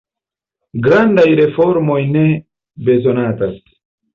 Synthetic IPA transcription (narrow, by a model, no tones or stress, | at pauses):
ɡɾandajɾefoɾmojne | be̞zonatas